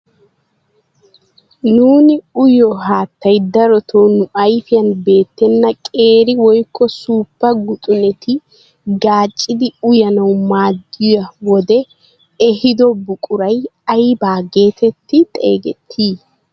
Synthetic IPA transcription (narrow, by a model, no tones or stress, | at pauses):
nuːnɪʊjɔɦaːt̪ːɐjd̪ɐɾɔt̪ʰoːnʊʔɐjfɪjɐnbe̞ːt̪ːɛnːɐkʼe̞ːɾɪwɔjkːɔsuːpːɐɡʊt̪ʼʊnɛt̪ɪ | ɡaːt͡ʃʼːɪd̪ɪʊjɐnɐwmaːdɪjɐwɔd̪ɛ | ɛhɪd̪ɔbʊkʼʊɾɐjɐjbaːɡe̞ːt̪ɛt̪ːɪt̪ʼḛːɡɛt̪ʰːiː